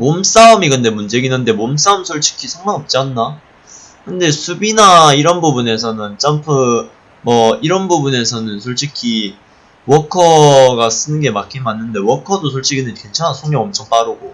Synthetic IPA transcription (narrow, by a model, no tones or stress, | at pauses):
moms͈aumiɡɯnde̞mund͡ʑe̞ɡinande̞moms͈aumsʰoɭt͡ɕʰi̥kʰisʰʌŋmaŋʌp̚t͡ɕ͈anːa | kɯnde̞sʰubinaiɾʌnbubune̞sʰʌnɯnt͡ɕ͈ampʰɯ | mʌiɾʌnbubune̞sʰʌnɯnsʰoɭt͡ɕʰikʰi | wʌkʰʌɡas͈ɯnɯnɡe̞makʰimanːɯnde̞wʌkʰʌdosʰoɭt͡ɕʰiɡinɯnke̞nt͡ɕʰanasʰoŋɲʌŋʌmt͡ɕʰʌŋp͈aɾɯɡo